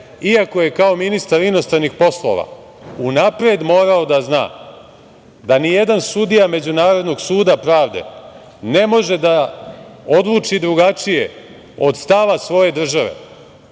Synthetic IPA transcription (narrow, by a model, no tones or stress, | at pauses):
iako̞je̞kao̞minist̪aɾinost̪ɾanixpo̞slˠo̞̰ʋa̰ | unapɾe̞d̪mo̞ːɾao̞d̪azna̰ː | d̪anijed̪ansud̪ijame̞d͡ʑunaːɾo̞d̪no̞ɡsuːd̪apɾaːʋd̪e̞̰ | ne̞mo̞ʒe̞d̪a | o̞d̪ʋuːt͡ʃid̪ɾuɡat͡ʃijḛ | o̞d̪st̪aʋasʋo̞je̞d̪r̩ʒaʋḛ